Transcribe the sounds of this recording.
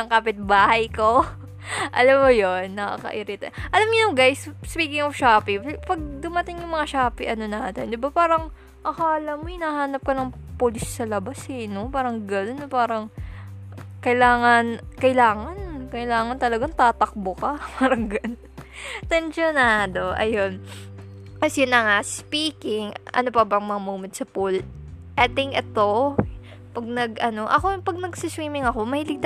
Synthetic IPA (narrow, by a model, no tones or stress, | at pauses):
ɐŋkapɪt̪̚baːhɐjko | ʔɐlamːojonːɐka̰kɐ̰ʔɪɾɪt̪ɛ̰ʔɐlamɲʊnɐŋɡajsspiːkɪŋofʃaːpipɐɡ̚d̪ʊmɐt̪ɪŋjʊŋmɐŋaʃaːpiʔɐno̞naːt̪ɛnd̪ɪbapaːɾɐŋ | ʔɐkaːlɐmoʔɪnɐhaːnɐp̚kɐnɐŋ | polɪsːɐlɐbashɛno̞paːɾɐŋɡɐno̞nːɐpaːɾɐŋ | kɐɪlaːŋɐnkɐʔɪlaːŋɐnkɐɪlaːŋɐnt̪ɐlɐɡaŋt̪aːt̪ɐk̚bokɐmɐɾɐŋɡɐn | t̪ɛnʃonad̪o̞ʔɐ̰jo̞n | kɐsjʊnːɐŋaspiːkɪŋʔɐ̰no̞pɐbɐŋmɐŋamumɛt̪̚sɐpul | ʔɛt̪ɪŋkɛt̪o̞ | pɐɡ̚nɐɡʔɐno̞ʔɐ̰ko̞pɐɡ̚nɐɡsiswiːmɪŋɐko̞mɐhiːlɪɡ̚t̪